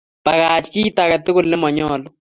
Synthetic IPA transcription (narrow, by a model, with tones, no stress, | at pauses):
pa˨kaːt͡ʃkiː˦taka˨t̪ʊ˦kʊ˦˨lnɪ˦mɔ˨ɲɔː˦lʊ˦